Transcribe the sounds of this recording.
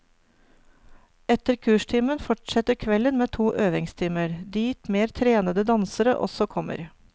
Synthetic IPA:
ɛt̪əɾkʰʉːʃʈʰɪmənfɔʈsɛt̪əɾkʰʋɛlənmeːt̪ʰuːʔøːʋɪŋst̪ʰɪməɾd̪iːt̪meːɾt̪ʰɾeːnəd̪əd̪ɑnsəɾəʔɔ̰sɔkʰɔmə̰ɾ

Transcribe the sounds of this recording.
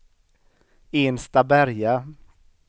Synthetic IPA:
eːnst̪abæɾja

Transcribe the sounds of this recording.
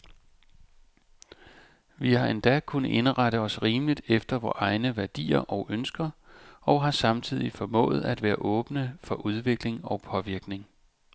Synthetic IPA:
ʋihɑ̈end̥ækʰunəʔe̝nəʁaɾəɒ̽sʁiːməlid̥efd̥ɐʋɒ̰ːʔɑ̈ɪnəʋæɐd̥ḭːɐʔɒʊʔønsɡ̥ɐɒ̽ʊɦɑ̈sɑ̈mt͡sʰið̞̰ˠifɒ̽mɔ̰̽ːð̩ˠæd̥ʋæːɐʔɔ̽ːb̥nəfɒ̽ʔuð̞ˠʋe̝ɡ̥le̝ŋɒ̽ʊpʰɒ̽ʋiɐɡ̥ne̝ŋ

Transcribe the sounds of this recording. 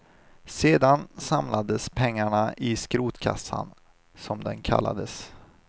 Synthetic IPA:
seːd̪ansamlʔad̪əspʰɛŋːaɳaʔɪskɾuːt̪kʰa̰sːa̰n | sɔmd̪ɛnkʰa̰lːa̰d̪əs

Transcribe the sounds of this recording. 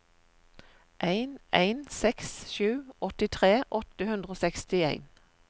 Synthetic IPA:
ʔæɪnæɪnsɛksʃʉːɔt̪ɪt̪ʰʁeːʔɔt̪əhʉnd̪ʁoːsɛkst̪ɪæɪn

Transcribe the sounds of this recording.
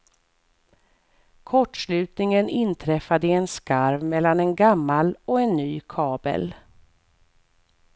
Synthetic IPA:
kʰɔʈːʂlʉ̟ːt̪nɪŋənɪnt̪ʰɾɛfːad̪əɛnskaɾvmɛlːanɛnɡamːalɔɛnːyːkʰɑːbə̰l

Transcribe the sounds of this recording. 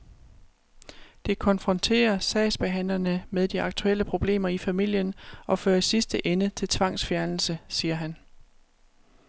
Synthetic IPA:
d̥e̝kʰɒ̽nfʁɒ̽nt͡sʰe̝̰ːɐsɛːsb̥e̝ɦæn̰lɐnəmeðˠd̥iɑ̈ɡ̥̚t͡sʰuel̰əpʰʁo̝b̥le̝̰ːmɐifæmil̰jənɒ̽føːɐisisd̥əʔenət͡sʰe̝lt͡sʰʋɑ̈ŋ̰sfjæɐnl̩səsiːɐɦæn

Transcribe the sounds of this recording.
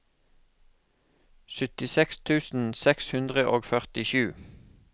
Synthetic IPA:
sʏt̪ɪsɛkst̪ʰʉːsn̩sɛkshʉnd̪ʁəʔoːɡfœʁt̪ɪʃʉː

